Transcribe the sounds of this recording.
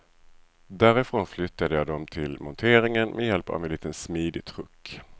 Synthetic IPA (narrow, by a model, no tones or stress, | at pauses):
d̪æːɾɪfɾoːnflʏt̪ːad̪əjɑːd̪ɔmt̪ʰɪlmɔnt̪ʰeːɾɪŋənmʔɛjɛlpa̰vɛnliːt̪ənsmiːd̪ɪt̪ʰɾɵkː